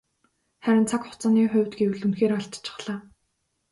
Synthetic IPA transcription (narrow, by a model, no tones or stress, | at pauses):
χæɾʲɪ̆nt͡sʰakχʊ̥t͡saːniːχʊ̟wʲt̪ɡewɘ̆ɮunxeːɾaɮt͡ɕt͡ɕʰɪ̥̆χɮ̥aː